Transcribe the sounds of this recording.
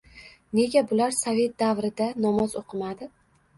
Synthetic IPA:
ne̞ɡʲabʊlaɾsave̞t̪̚d̪avɾɪd̪anɒmɒzoqʰɨmad̪ɪ

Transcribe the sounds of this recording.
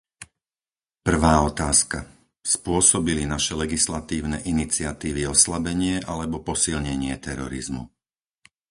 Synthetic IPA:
pr̩ʋaːɔt̪aːska | spʊɔsɔbilinaʃɛlɛɡislat̪iːʊnɛʔinit͡sɪat̪iːʋiɔslabɛɲɪɛʔalɛbɔpɔsilɲɛɲɪɛt̪ɛɾɔɾizmṵ

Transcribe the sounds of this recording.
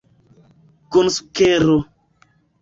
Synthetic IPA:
konsu̥keɾo

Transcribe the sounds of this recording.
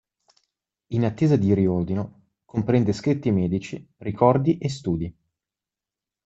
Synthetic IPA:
inat̪ːeːzad̪iɾiord̪ino | kompɾɛnd̪eskɾit̪ːimɛːd̪it͡ʃirikʰɔrd̪iʔes̬t̪uːd̪i

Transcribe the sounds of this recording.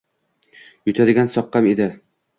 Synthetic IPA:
jʊt̪ʰad̪ɪɡʲansɒqːɑmed̪ɪ

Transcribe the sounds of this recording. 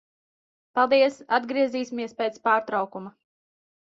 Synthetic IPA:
palˠd̪iɛsad̪ɡɾiɛziːsʲimiɛspɛt̪spaːɾt̪ɾɑwkuma

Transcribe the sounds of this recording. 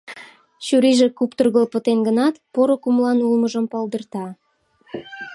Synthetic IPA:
ɕuɾiʒekupt̪urɣəlpə̆t̪enɡə̆nɑt̪poɾokumlɑnulməʒə̆mpɑld̪ərt̪ɑ

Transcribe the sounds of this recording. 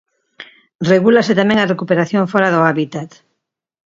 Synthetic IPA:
reɣulaset̪amẽŋarekupeɾaθjoŋfɔɾaðoaβit̪at̪

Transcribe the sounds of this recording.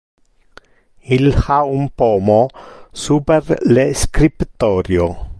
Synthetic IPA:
ilxaumpɔːmosuːperleskɾipt̪ɔːɾjo

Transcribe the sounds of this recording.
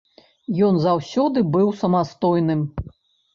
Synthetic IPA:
jɔnzawsʲɔd̪ɨbɨwsɐmast̪ɔjnɨm

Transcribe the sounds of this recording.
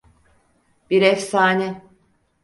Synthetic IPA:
biɾɛfsaːnʲɛ

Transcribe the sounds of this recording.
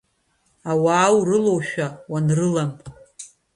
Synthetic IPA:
awaːwrɨlo̞wʃᶣawanrɨlamʼ

